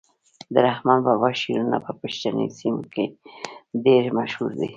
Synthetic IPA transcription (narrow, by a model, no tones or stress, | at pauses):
d̪əɾahmɑnbɑbɑʃiɾuna̰pəpəʃtanḭsimoke | ɖeɾmaʃhuɾd̪ḭ